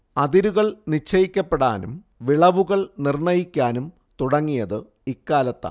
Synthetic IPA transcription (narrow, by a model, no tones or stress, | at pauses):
ɐðiɾuɣɐɭnit͡ɕʰːɐjikʲːɐpːeɽa̰ːnum | ʋiɭɐʋuɣɐɭnirɳɐjikʲːaːnum | t̪uɽɐŋːijɐðɨ | ikːaːlɐt̪ːa̰